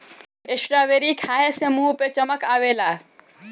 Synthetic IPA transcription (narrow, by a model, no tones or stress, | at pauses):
ɪʃɾaːʋeːɾikʰaːɦesemuːpet͡ʃɐməkaːʋeːlaː